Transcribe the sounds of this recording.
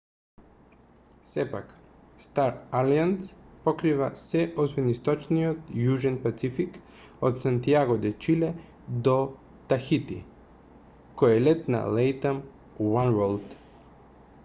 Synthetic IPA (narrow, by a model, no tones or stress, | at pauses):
sɛpa̰k | st̪aɾalianspokɾivasɛʔɔsvɛnist̪ɔt͡ʃniot̪juʒɛnpat̪sifik | ot̪sant̪iaɡod̪ɛt͡ʃilɛ | d̪o | t̪axit̪ḭ | kɔjɛlɛt̪na̰lɛjt̪am | wanɾolˠd̪